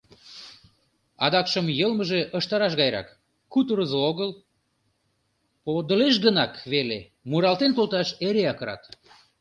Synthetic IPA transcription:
ɑd̪ɑkʃəmjəlməʒeʔəʃt̪ɑɾɑʃ̬ɣɑjɾɑ̰kː | ut̪uɾəzooɣəl | pod̪əleʃ̬ɣənɑkβele | muɾɑlt̪ent̪olˠt̪ɑʃeɾeɑkəɾɑ̰t̪

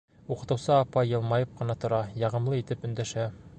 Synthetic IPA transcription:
uqɤ̆t̪ɤ̆wsɤɑpɑjːɤ̆lˠmɑjɤp̚qɤ̆nɑt̪ŏɾɑjɑʁɤ̆mlˠɤit̪ɘpɵ̆nd̪æʃæ

